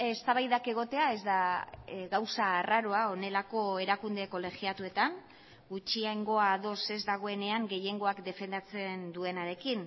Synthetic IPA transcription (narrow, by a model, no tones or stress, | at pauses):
e̞st̪aβajðake̞ɣ̞o̞t̪e̞ae̞zd̪aɣawsaːraɾo̞ao̞ne̞lako̞e̞ɾakund̪e̞ko̞le̞xiat̪ue̞t̪an | ɡut͡ʃiaŋɡo̞aðo̞se̞zd̪aɣ̞o̞e̞ne̞aŋɡe̞je̞ŋɡo̞akd̪e̞fe̞nd̪at͡se̞nd̪ue̞naɾe̞kin